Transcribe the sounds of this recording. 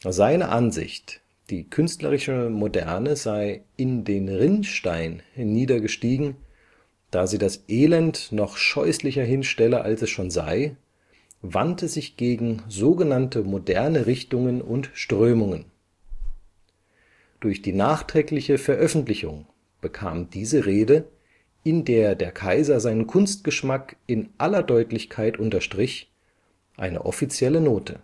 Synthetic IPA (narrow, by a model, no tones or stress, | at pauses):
zaɪnə̰ʔanzɪ̰çt | d̥iːkʰʏnstlɐ̰ʁɪʃəmodɛɐnəzaɪɪndeːnʁɪnʃtaɪnhnːiːdɐɡəʃtiːɡŋ̩ | d̥aːziːdasʔeːlɛntnɔχʃɔʏslɪçɐɦɪnʃtɛləʔalsɛsʃoːnza̰ɪ | vantəz̥ɪçɡ̥eːɡŋ̩zoːɡənantəmodɛɐnəʁɪçtʊŋənʊntʃtʁ̥øːmʊŋən | d̥ʊɐçd̥iːnaːχtʁ̥ɛːklɪçəfɛɐʔœfn̩tlɪçʊŋ | b̥əkʰa̰ːmdiːzəʁeːdə | ʔɪndeːɐdeːɐkʰaɪzɐzaɪnənkʰʊnst̚ɡ̥əʃmakɪnʔalɐdɔʏtlɪçkʰaɪtʔʊntɐʃtʁ̥ɪç | ʔa̰ɪnə̰ʔɔfit͡sjɛlənoːtʰə